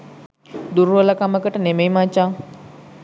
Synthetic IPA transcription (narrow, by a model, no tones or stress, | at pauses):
d̪uɾuəlakaməkəʈənemejmat͡ʃa